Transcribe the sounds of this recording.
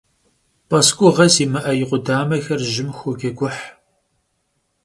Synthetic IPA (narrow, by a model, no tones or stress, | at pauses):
pʰʼɐskʷʼʊʁɐsiːmɨʔɐjɪqʷʊdaːmɐxɐrʒɪmxʷɔɡʲɐɡʷʊħ